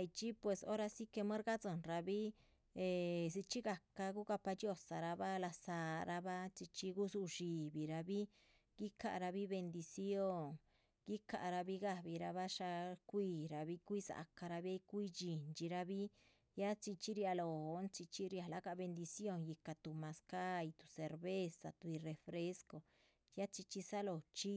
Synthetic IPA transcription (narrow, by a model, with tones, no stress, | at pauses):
i˧t͡ʃi˦pwe˧so˦ɾa˧si˦ke˧mã˦ɾɣa˦t͡sɨ˧˨nɾa˧βi˦ | e˧s̬i˧t͡ʃi˦ɣa˧ka˧ku˦ka˧pa˧t͡ʃi˦o˧˨sa˨ɾa˧βa˦la˧saː˧ɾa˧βa˦t͡ʃi˧t͡ʃi˦ku˦su˧ʐi˧βi˨ɾa˧βi˦ | ki˦ka˧ʔɾa˧βi˦βe˧nd̪i˧si˦o˦˧ŋ | ki˦ka˧˨˧ɾa˧βi˦ɣa˧βi˧ɾa˧βa˦ʂa˧kʷiː˧ɾa˧βi˦kʷi˦sa̰˧ka˧ɾa˧βi˦a˦i˦kʷi˦d͡ʒi˨nt͡ʃi˧ɾa˧βi˦ | ja˦t͡ʃi˧t͡ʃi˦ɾi˧a˧lo˧˨˧nt͡ʃi˧t͡ʃi˦ɾi˧a˧la˧˦ka˧βe˧nd̪i˧sjo˦˧ŋji˧ka˧t̪u˧mã˧ska˦i˧t̪u̥˧se˧ɾβe˦sa̰˧t̪u˧i˧re˧fɾe˦sko˨ | ja˦t͡ʃi˧t͡ʃi˧sa˦lo˧˨t͡ʃi˦